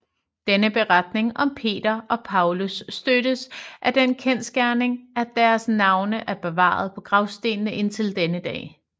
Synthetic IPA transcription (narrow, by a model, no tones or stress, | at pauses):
d̥enəb̥e̝ʁɑd̥ne̝ŋʔɒ̽mpʰe̝̰ːd̥ɐɒ̽pʰɑ̈ʊlusːd̥øɾ̥əsʔæɐd̥enkʰensɡ̥æɐne̝ŋæd̥æɐsnɑ̈ʊnəʔæɐb̥e̝ʋɑ̰̈ːð̞̩ˠpʰɒ̽ɡ̥ʁɑ̈ʊsd̥e̝̰ːnnəʔe̝n̰t͡sʰe̝ld̥enəd̥ɛ̰ː